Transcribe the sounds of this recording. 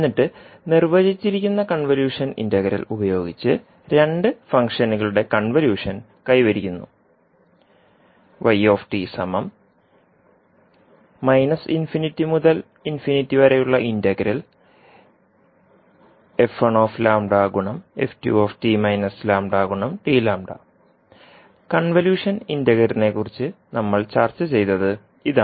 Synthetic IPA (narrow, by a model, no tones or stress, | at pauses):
enːiʈːɨnirʋɐd͡ʑit͡ɕːiɾikʲːunːɐkɐɳʋɐljuːʂɐnḭndɐɣɐɾḭlubɐjo̞ːɡit͡ɕːɨ | ɾe̞ɳɖɨfɐŋkʂɐnuɣɐɭuɽe̞kɐɳʋɐljuːʂɐn | kɐjʋɐɾikʲːunːṵ | ʋʔɐjo̞ːfʈisɐmɐm | ɐjnɐsinfinitːimuðɐl | infinitːiʋɐɾejuɭːɐʔindɐɣɐɾil | e̞fɐɳoːflaːmɖaːɡuɳɐmḛftjṵoːfʈimɐjnɐslaːmɖaːɡuɳɐmʈiːlaːmɖɐ̰ | kɐɳʋɐljuːʂɐnindɐɣɐɾine̞kːurit͡ɕːɨnɐmːɐɭt͡ɕaːrt͡ɕːɨt͡ɕe̞jt̪ɐðɨ | iða